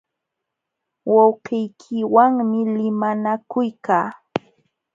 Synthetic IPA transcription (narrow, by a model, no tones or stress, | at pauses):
wɑwqɪjkʰɪwaŋmɪlɪmanakʊjkaː